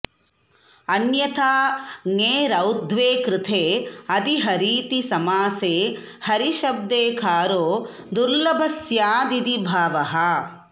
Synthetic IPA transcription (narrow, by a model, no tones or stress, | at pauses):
ɐnjɐt̪ʰaːŋeːɾɐwd̪ʱʋeːkɾɪt̪ʰeːɐd̪iɦɐɾiːt̪isɐmaːseː | hɐɾiʃɐb̚d̪eːkʰaːɾoː | d̪uɾlɐbʱɐsjaːd̪id̪ibʱaːʋɐɦɐ